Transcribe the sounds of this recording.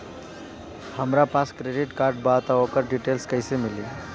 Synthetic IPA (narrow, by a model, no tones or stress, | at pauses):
həmɾapaskɾeɖiʈkaɾɖ̚bat̪aɔkəɾɖiʈelskəjsemili